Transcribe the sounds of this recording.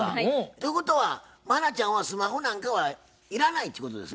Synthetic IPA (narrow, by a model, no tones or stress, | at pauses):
at̪oiko̞t̪o̞βa | manat͡ɕãɰ̃βasɨmaɦonãŋkaβa | iɾanait̪ːiko̞t̪od̪es